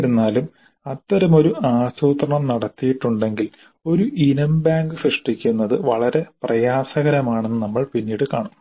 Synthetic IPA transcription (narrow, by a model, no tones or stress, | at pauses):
ɾunːaːlum | ɐt̪ːɐɾɐmo̞ɾuʔaːsuːt̪rɐɳɐmnɐɽɐt̪ːijiʈːuɳɖe̞ŋɡil | o̞ɾuʔinɐmbaːŋɡɨfeʂʈikʲːunːɐðɨʋɐɭɐɾe̞prɐjaːsɐɣɐɾɐmaːɳe̞nːɨnɐmːɐɭpinːiːɽɨkaːɳum